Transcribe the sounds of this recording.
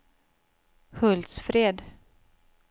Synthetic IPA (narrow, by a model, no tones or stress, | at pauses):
hɵld̪sfɾeːd̪